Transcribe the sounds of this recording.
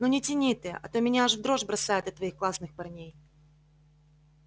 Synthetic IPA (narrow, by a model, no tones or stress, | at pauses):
nonʲɪtʲɪnʲit̪ɨʔɐ̰t̪omʲɪnʲaʐvd̪ɾo̞ʐbɾɐsajɪt̪ɐt̪ːvɐixklˠasnɨxpɐrnʲej